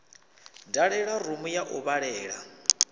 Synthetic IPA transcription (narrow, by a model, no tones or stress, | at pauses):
daɺɛɺarumujaʔuβaɺɛːɺa